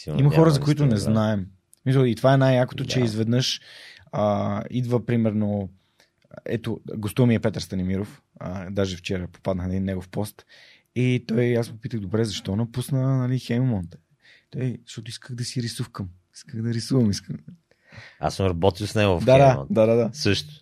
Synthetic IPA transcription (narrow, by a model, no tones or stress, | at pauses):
siimɐxɔɾəzɐkoit̪ʊnɛznaɛm | smisəlˠit̪ovaɛnajjakot̪ot͡ʃɛizvɛd̪nəʃəid̪vəpɾimɛɾno | ɛ̰t̪oɡost̪umiɛpɛt̪əɾst̪ɐnimiɾof | əd̪aʒɛft͡ʃɛɾəpo̥pad̪nəxnɐd̪inːɛɡofpɔst̪ | it̪ɔjasmpopit̪əɣd̪obɾɛzɐʃt̪ɔnɐpusnənɐlixɛjmmɔnt̪ɛ | t̪ɔjzɐʃt̪ɔt̪ʊiskəɣd̪ɐsiɾisufkəm | i̥skəxd̪ɐɾisuvɐmiskəm | a̰səmɾɐbɔt̪ilˠsnɛɡodd̪aad̪a̰d̪ad̪ad̪asɤʃt̪ʊ̥